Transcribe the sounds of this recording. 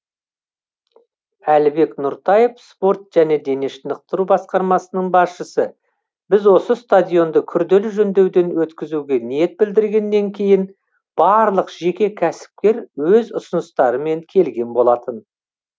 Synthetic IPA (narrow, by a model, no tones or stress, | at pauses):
ælɪbe̞knʊɾt̪ɑjefspo̞ɾt̪ʒ̥æne̞d̪e̞neʃɪnəq̚t̪əɾubɑsqɑɾmɑsənəɴbɑsʃəsə | bɪzwo̞səst̪ad̪ʲijo̞nd̪əkʲʰʏɾd̪e̞lɪʒɵnd̪e̞wd̪e̞nwɵt̪kʲɪzuɡʲe̞nije̞t̪̚bɪld̪ɪɾɡʲe̞nːe̞ŋkʲʰe̞jɪn | bɑɾlˠəqʒ̥e̞kʲe̞kʲʰæsɪ̥p̚kʲe̞ɾwɵzʊsʊnəst̪ɑɾəme̞ŋkʲʰe̞lɡʲe̞nbo̞lˠɑt̪ən